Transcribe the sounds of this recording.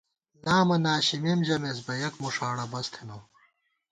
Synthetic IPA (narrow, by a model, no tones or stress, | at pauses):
naːmɐnaːɕimemʑɐmes̬bɐjɐkmuʂaːɽɐbɐst̪ʰenɐm